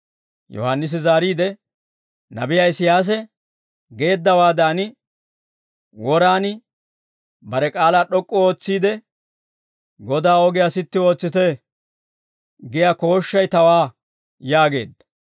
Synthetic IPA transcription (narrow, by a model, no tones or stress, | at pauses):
jɔ̰hanːɪs̬ɪzaːɾiːd̪ɛ | nɐ̰bɪjaɪsɪjaːs̬ɛ | ɡe̞ːd̪ːɐwaːd̪aːnɪ | wɔɾaːnɪ | bɐɾɛkʼaːlaːɗɔkʼːɔo̞ːt͡sːiːd̪ɛ | ɡɔd̪aːɔɡɪjasɪt̪ːɪo̞ːt͡sːɪt̪ɛ | ɡɪjako̞ːʃːɐjt̪ɐwaː | jaːɡe̞̰ːd̪ːɐ̥